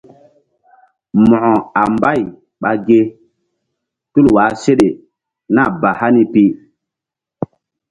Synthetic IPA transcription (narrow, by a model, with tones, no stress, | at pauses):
mɔ̃˨ʔɔ̃˨a˨mba˦˨j | ɓa˨ɡe˦ | tu˦lwaː˨˦se˦ɗe˨ | na˦˨ba˨ha˦ni˦pi˦